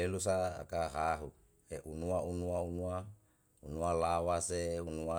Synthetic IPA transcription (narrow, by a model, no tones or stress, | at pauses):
elusa̰ːkaɦaɦu | eʔunuaunuaunua | unualawaseunua